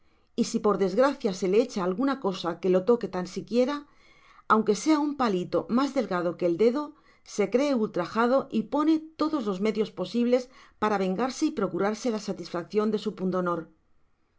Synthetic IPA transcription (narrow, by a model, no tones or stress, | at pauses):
isipo̞ɾðe̞zɣɾaθjase̞leet͡ʃaːlɣunako̞sake̞lo̞t̪o̞ke̞t̪ansikje̞ɾa | awŋke̞se̞aumpalit̪o̞̰mazðe̞lɣað̞o̞ke̞ːld̪e̞ðo̞ | se̞kɾe̞ːult̪ɾaxað̞o̞ʔipo̞ne̞t̪o̞ðo̞zlo̞zme̞ðjo̞spo̞siβle̞spaɾaβ̞e̞ŋɡaɾse̞ipɾo̞kuɾaɾse̞lasat̪isfak̚θjo̞nd̪e̞supund̪o̞no̞ɾ